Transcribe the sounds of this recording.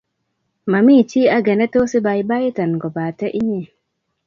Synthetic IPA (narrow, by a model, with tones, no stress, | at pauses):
ma˨mi˦˨t͡ʃi˦a˦ɡɛ˨nɛ˦to˦si˦ba˨jba˦ji˦ta˨nɡɔ˨ba˨tɛ˦ʔi˦ɲe˦˨